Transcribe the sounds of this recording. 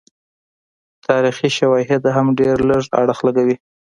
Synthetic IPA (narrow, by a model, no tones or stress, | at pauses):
t̪ʰɑɾixiʃawɑɦɪd̪ɦamɖeɾləʐa̰ɽəxlaɡawi